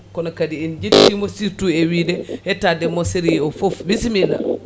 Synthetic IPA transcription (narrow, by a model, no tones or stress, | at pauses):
kɔnɔkadiːnd͡ʒetːimɔsituɛwidɛhɛtadɛmɔsiɾiɔfofwisimila̰